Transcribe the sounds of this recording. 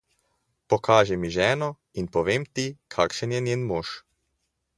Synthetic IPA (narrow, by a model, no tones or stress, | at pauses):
pɔkʰaːʒimiʒɛːnɔ | inpɔʋeːmt̪ikʰaːkʃənjɛnʲjeːnmoːʃ